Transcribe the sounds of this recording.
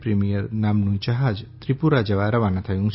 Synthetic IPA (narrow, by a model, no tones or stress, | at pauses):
pɾimijəɾnaːmnũt͡ʃaɦad͡ʒt̪ɾipuɾad͡ʒɐʋaɾɐʋanat̪ʰɐjũŋ